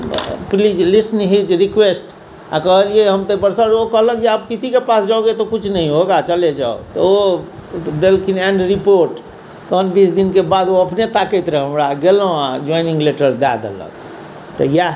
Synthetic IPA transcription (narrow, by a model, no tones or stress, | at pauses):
plid͡ʒlisnɦit͡ʃɾikwesʈ | a̰kəɦəlieɦəmt̪əpəɾsəɾokəɦləkd͡ʒiaːpkisikepasd͡ʒaoɡet̪ɔkut͡ʃʰnəɦĩɦoɡat͡ʃəled͡ʒa̰o̰t̪ɔo | d̪elkʰinɛ̃ɳɖɾipoɾʈ | t̪oənbisd̪inkebad̪oəpnet̪akɛt̪ɾeɦəmɾaɡelɦõa̰d͡ʒɔinĩŋɡleʈəɾd̪a̰d̪ḛlə̰k | t̪ɔja